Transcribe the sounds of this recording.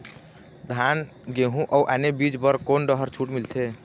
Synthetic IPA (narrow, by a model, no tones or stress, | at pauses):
d̪ʱan | ɡeɦũʔəwʔanebid͡ʒbəɾkonɖəɦəɾt͡ʃʰuʈmilt̪ʰe